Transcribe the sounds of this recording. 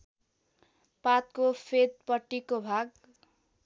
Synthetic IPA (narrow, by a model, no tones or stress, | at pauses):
pat̪̚kopʰet̪̚pʌʈːikobʱaɡ